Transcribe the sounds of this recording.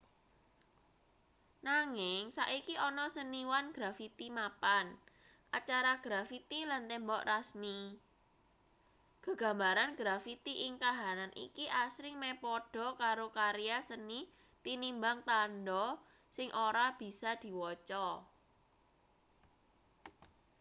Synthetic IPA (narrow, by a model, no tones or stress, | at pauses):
naŋɪŋsaʔikiʔɔnɔsəniwanɡ̥ɾafit̪imapan | ʔat͡ʃaɾaɡ̥ɾafit̪ilant̪ɛmbɔʔrasmi | ɡ̥ə̤ɡ̥a̤mbaɾanɡ̥ɾafit̪iʔɪŋkaɦananʔḭkiʔasɾɪŋmɛpɔɖ̥ɔ̤kaɾokaɾijasəni | t̪inimbaŋt̪andɔ | sɪŋʔoɾab̥i̤sad̪̥i̤wɔt͡ʃɔ